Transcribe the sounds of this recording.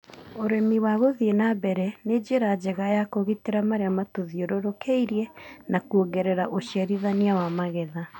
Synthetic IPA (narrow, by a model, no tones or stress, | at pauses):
oɾemiwaɣoðienabɛɾɛned͡ʑeɾad͡ʑɛɣajakoɣiteɾamaɾeamatoðioɾoɾokʰeiɾiɛnakuoɡɛɾɛɾaʔoɕiaɾiðaniawamaɣɛða